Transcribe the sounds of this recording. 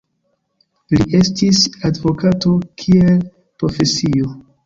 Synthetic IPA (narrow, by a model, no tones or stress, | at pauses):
liʔe̞stisadvo̞kato̞kʰiel | pɾo̞fe̞sio